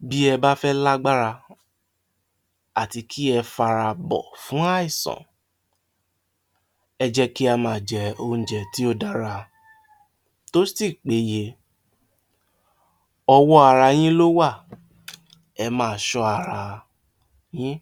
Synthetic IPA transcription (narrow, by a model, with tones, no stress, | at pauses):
bi˦ɛ˧ba˦fɛ˦la˦ɡ͡ba˦ɾa˧ | a˨ti˧kʰi˦ɛ˧fa˧ɾa˧bɔ̰˨fũ˨˦a˦i˦˨sɔ̰̃˨ | ɛ˧d͡ʒɛ˦ki˦a˧mãː˨d͡ʒɛ˨õ˧˨d͡ʒɛ˨ti˨˦o˦˨da˦ɾa˧ | to˦si˦˨k͡pe˨˦je˧ | ɔ˧wɔ˦a˨ɾa˧j̃ĩ˦lo˦wa˦˨ | ɛ˧mãː˦˨˧ʃɔ˧a˨ɾa˨ | j̃ĩ˦